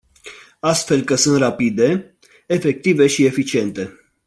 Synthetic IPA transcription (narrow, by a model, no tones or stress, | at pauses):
ast̪fe̞lkəsɨnt̪rapid̪e̞ | efe̞k̚t̪ive̞ʃie̞fit͡ʃie̞nt̪e̞